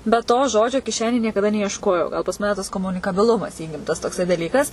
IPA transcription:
bʲɛt ˈtoː ˈʒoːd͡ʒʲoː kʲɪˈʃʲæːnʲeːj nʲiɛkɐˈdɐ nʲɛɪɛʃˈkoːjɛʊ ɡɐlˠ pɐs ˈmɑːnʲɛ tɐs koːmʊnʲɪkɐˈbʲɪlˠʊmɐs ˈiːɡʲɪmtɐs toːkˈsɐɪ dɐˈlʲiːkɐs

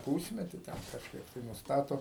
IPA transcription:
ˈpuːsʲmʲɛtʲɪ ˈtʲɛn kɐʃˈkɐɪp tɐɪ nʊsˈtɑːtoː

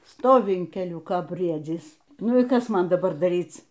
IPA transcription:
ˈstoːʋʲɪ ɪn kʲɛˈlʲʊkoː ˈbʲrʲiɛd͡zʲiːs ˈnʊ iː ˈkɐs ˈmɐn dɐˈbɐr dɐˈrʲiːt͡s

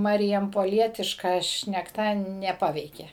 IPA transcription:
ˌmɑːrʲɪjɛmpoːˈlʲiɛtʲɪʃkɐ ʃʲnʲɛkˈtɐ nʲɛˈpɑːʋʲɛɪkʲeː

